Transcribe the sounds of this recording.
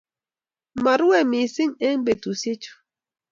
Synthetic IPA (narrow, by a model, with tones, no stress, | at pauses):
ma˨ɾu˦wɛ˦˨mi˨si˦ŋe˦ŋ˦be˨tu˨se˦t͡ʃu̥˨˦